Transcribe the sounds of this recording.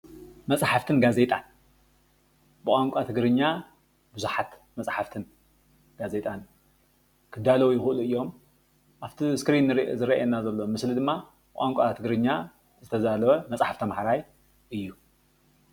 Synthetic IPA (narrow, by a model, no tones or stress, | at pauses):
mɐt͡sʼħaft̪ʰɨnɡaze̞t̪ʼan | bɨkʼaŋkʷʼat̪ʰɨɡɾɨɲːa | bɨzuħat̪ | mɐt͡sʼħaft̪ʰɨn | ɡ̥aze̞t̪ʼan | kʰɨd̪alɐwujɪxɨluɨjːo̞m | ʔaft̪ʰiskɾinːɨɾzɨɾɐaɛnːazɐlːo̞mɨslid̪ɨmːa | bɨkʼaŋkʷʼat̪ʰɨɡɾɨɲːa | zɨt̪ʰɐzalɐwɐmɐt͡sʼħaft̪ʰɐmħaɾaj | ʔɨjːu